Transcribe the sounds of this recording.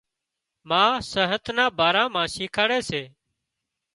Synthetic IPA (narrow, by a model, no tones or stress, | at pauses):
mãːsəɦət̪nãːbaːɾãːmãːsiːkʰaːɽeːseː